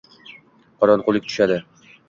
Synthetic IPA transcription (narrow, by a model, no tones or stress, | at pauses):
qɒɾɒnqolˠɪk̚ʲt̪ʊ̥ʃad̪ɪ